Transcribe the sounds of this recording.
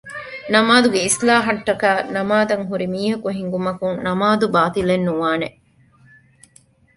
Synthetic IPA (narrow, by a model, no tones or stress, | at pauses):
nɐmaːd̪uɡeislaːɦɐʈːɐkaːnɐmaːd̪ɐŋɦuɾimiːɦɐkuɦiŋɡumɐkunnɐmaːd̪ubaːt̪ilenːuʋaːne